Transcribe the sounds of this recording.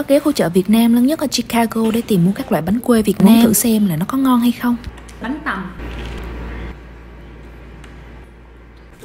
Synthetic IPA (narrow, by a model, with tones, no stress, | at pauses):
ɔ˨˦ke˨˦xu˧t͡ɕə̰ː˧˨vi˨˩ət̚naː˧mləː˨˦nɲə˦˥t̚la˨˩t͡ɕi˧kaː˧ɣo˧ɗe˧˩t̪i˨˩mːu˧kaː˦˥klwa̰ː˧˨jɓa˨˦nkwe˧vi˨˩ət̚naː˧mt̪ʰɨ̰˧˨sɛ˧mlaː˨˩nɔ˨˦kɔ˨˦ŋɔ˧nha˧jxə˧wŋ͡m | ɓa˨˦nt̪a˨˩ŋ͡m